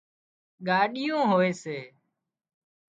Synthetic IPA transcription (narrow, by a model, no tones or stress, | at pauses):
ɠaːɗɪjõːɦoːeːseː